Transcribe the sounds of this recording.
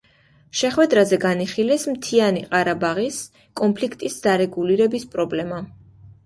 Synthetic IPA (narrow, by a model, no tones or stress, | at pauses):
ʃɛχwɛd̪ɾazɛɡaniχilɛsmt̪ʰianiqʼaɾabaʁis | kʼɔmpʰlikʰt̪ʼisd̪̥aɾɛɡuliɾɛbispʼɾɔblɛma